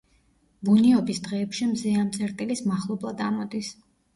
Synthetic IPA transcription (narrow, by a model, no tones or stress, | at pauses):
buniɔbisd̪ʁɛːpʃimziamt̪sʼʰɛɾt̪ʼilismaχlˠɔblˠad̪a̰mɔd̪is